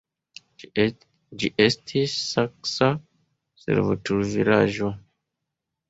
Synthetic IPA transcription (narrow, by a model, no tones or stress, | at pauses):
d͡ʒiʔestʰisːaksa | sḛɾvo̰tuɾviɾaʒo